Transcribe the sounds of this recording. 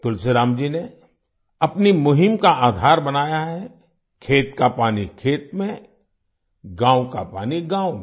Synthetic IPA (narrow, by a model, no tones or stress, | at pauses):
t̪ʊlseɾaːmd͡ʒine | ɐpnimʊɦɪmkaaːd̪ʱaːɾbɐnaːjaɦɛ | kʰeːt̪kapaːnikʰeːt̪̚mẽ | ɡãːwkapaːniɡãːʊm